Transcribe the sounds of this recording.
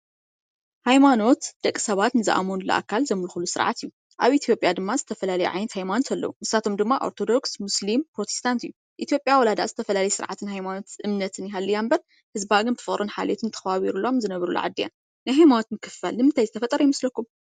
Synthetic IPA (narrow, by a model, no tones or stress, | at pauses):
hajmano̞t̪d̪̥ɐkʼːisɐβat̪nɨzɨ̰ʔa̰monulo̰ʔa̰kʰːalzɐmɨlxulusɨɾʕa̰t̪ijːu | ʔaβʔit̪ʰjo̞pʼjad̪ɨmːazɨt̪ʰɐfɐlalɐjṵʕa̰jnɐt̪hajmanot̪ʰɐlːɐ̰wunɨsat̪ʰo̞md̪ɨmːaʔo̞̰ɾt̪ʰo̞d̪o̞ksmuslimpɾot̪ʰe̥st̪ʰant̪ɨju | ʔit̪ʰjo̞pʼjawɔlad̪a̰ʔzɨt̪ʰɐfɐlalɐjɛsɨɾʕat̪ʰɨnhajmano̞t̪ʔɨmnɐt̪ʰɨnjɪɦalːijambɐɾ | hɨzbaɡɨnt̪ʰɨfɨχʼɾʔonħa̰let̪ʰɨnt̪ʰɐ̥xɐβaβiɾulo̞mzɨnɐβɐɾulo̰ʕa̰d̪ːija̰n | najɦajmano̞t̪mɨkʰɨfːalnɨmɨnt̪ʰajzɨt̪ʰɐfɐt̪ʼɐɾɐjɪmɐslɐkːum